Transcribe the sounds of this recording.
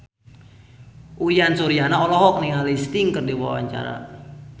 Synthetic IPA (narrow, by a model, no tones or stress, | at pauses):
ʔujansuɾianaɔlɔɦɔk̚nɪŋalist̪ɪŋkərdiwa̰wa̰ɲt͡ʃa̰ɾa̰